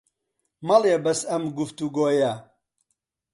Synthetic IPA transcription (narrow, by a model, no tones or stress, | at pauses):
mɐlebɐsɐmɡuft̪uɡoːjɐ